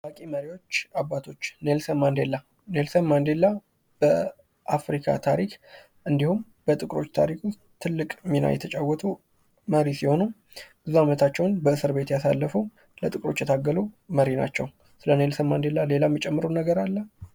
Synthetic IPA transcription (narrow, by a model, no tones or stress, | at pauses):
bakʼiməɾiwo̞t͡ʃːabːat̪ʰo̞t͡ʃːne̞lsənmːand̪e̞lːa | ne̞lsənmand̪e̞lːa | b̥ə | ʔafɾikʰa̰t̪ʰaɾikʰ | ʔɨnd̪ihum | b̥ət̪ʼɨkʼɾo̞̰t͡ʃːt̪ʰa̰ɾikʰu | t̪ʰɨlːɨkʼmːina̰jɛt̪ʰət͡ʃʼawːɔt̪ʰə | məɾisiho̞nu | bɨzuamət̪ʰat͡ʃːɛwnbəɨsɨɾbe̞t̪jasa̰lːəfəw | lət̪ʼɨkʼɾo̞̰t͡ʃːjɛt̪ʰaɡːəluməɾina̰t͡ʃːɛw | sɨləne̞lsəmːand̪e̞lːale̞lamːit͡ʃʼɛmːɨɾənəɡəɾalːə